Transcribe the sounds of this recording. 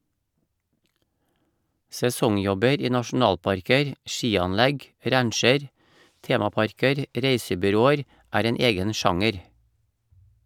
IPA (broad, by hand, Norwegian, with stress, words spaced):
sɛˈsɔŋˌjɔbəɾ ˈiː nɑʃn̩ˈɑːlpɑɾkəɾ ˈʃiːɑnˌlæɡ ˈɾæɳʃəɾ ˈteːmɑˌpɑɾkəɾ ˈɾeɪsəbʏˌɾoːəɾ ˈæːɾ ˈeːn ˈeːɡən ˈʃɑŋəɾ